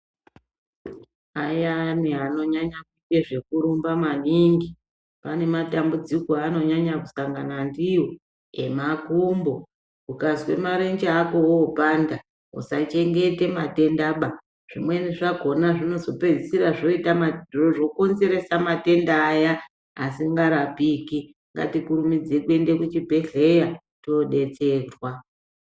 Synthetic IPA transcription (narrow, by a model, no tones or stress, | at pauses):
ajaniɦano̞ɲaɲakuke̞ʐe̞kuɾumbamaniŋɡi | pane̞matambud͡zikoano̞ɲaɲakusaŋɡanandiwo | e̞makumbo̞ | ukazwe̞̰maɾend͡ʒaːko̞woːpanda | ɦṵsat͡ʃe̞ŋɡe̞te̞mate̞ndaɓa | ʐ̥imwe̞niʐaɡʱo̞naʐino̞zo̞pe̞d͡zisiɾaʐo̞itamaoʐo̞ko̞nze̞ɾe̞samate̞ndaːja | asiŋɡaɾapiːki | ŋɡa̰tikuɾumid͡zekwe̞nde̞kut͡ʃibʱe̞ɬe̞ja | to̞ɗe̞t͡se̞ːrwa